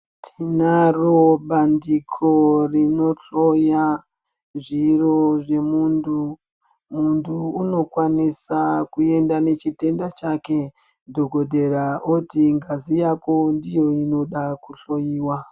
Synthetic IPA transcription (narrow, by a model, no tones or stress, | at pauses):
tʰinaroɓandikʰorino̞ɬo̞ja | ʐiro̞ʐe̞mundʰu | muntʰuːno̞kwanisakue̞ndane̞t͡ʃite̞ndat͡ʃake̞ | dʱo̞ɡʱo̞dʱe̞ɾaotiŋɡazijako̞ndijo̞ino̞ɗakuɬo̞jiːwa